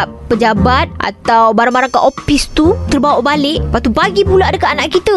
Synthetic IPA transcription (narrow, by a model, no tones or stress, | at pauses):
ʔpəd͡ʒabat̪̚ʔa̰t̪awbaɾaŋbaɾaŋkaʔofist̪ut̪ərbawaʔbalɪʔpat̪ubaɡipulaadəkaanaʔkit̪ə